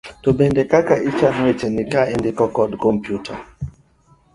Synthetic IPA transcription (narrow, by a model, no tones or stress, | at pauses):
tobɛndɛkakaʔit͡ʃanɔet͡ʃɛnikaɛndikɔkɔdkɔmpjutʰa̰